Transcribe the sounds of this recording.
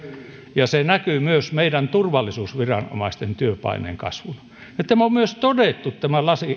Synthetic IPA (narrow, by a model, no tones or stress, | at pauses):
jɑsenækyˑmyøsmeidænt̪urʋɑlːisuːsʋirɑ̰no̰mɑist̪ent̪yøpɑ̰inḛːŋkɑ̰sʋul | ɑt̪ːæmommyøst̪odet̪ːut̪t̪æmælɑsi